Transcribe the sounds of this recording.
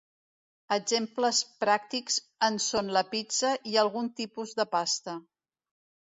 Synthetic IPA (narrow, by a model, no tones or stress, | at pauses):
əɡzempləspɾak̚t̪ikz | ənsonləpit͡səʔiəlˠɣunt̪ipuzðəpast̪ə